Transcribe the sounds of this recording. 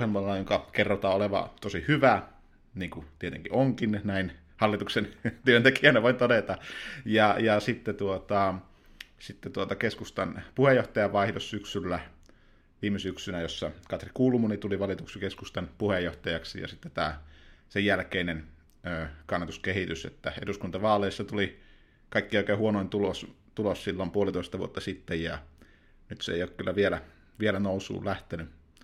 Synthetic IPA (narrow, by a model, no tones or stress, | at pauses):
hemɑlːɑjoŋkɑkerːot̪ɑːoleʋɑ̰t̪osihyʋæ | niːŋkut̪iet̪ḛŋkiʔoŋkinnæin | hɑlːˑit̪uksent̪yønt̪ekiæneʋoˑint̪odet̪ɑjɑjɑsit̪ːet̪uot̪ɑ | sit̪ːet̪uot̪ɑkeskust̪ɑnpuhejˑoht̪ɑjɑʋɑˑihdossyksylːæ | ʋiːmesyksynæjosːɑkɑt̪rikuːlumunit̪uliʋɑlit̪uksikeskust̪ɑnpuhejːoht̪ɑjɑksijɑ̰sit̪ːet̪æːsejjælkeinen | øːkɑnːɑt̪uskehit̪ysḛt̪ːæḛduskunt̪ɑʋɑːlːˑeisːɑt̪uli | kɑikːioˑikeːhuonoˑint̪ulos | t̪ulossilːompuolit̪oˑist̪ɑʋṵo̰t̪ːɑsit̪ːejjɑ | nyt̪sḛˑijoːkkylːæʋielæ | ʋielænousṵːlæht̪eny